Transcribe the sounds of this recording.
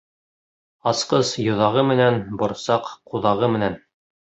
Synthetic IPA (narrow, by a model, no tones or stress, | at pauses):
ɑsqɤsjŏðɑʁɤmɘ̆nænbŏɾsɑqquðɑʁɤmɘ̆næn